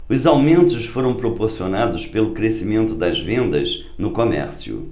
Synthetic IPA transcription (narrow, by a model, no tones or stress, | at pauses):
ʊzawmẽnt̪ʊʃfoɾɐ̃w̃pɾopoɾsionad̪ʊʃpelʊkɾesimẽnt̪ʊd̪ɐzvẽnd̪ɐz | nʊkomɛ̰ɾsjʊ̰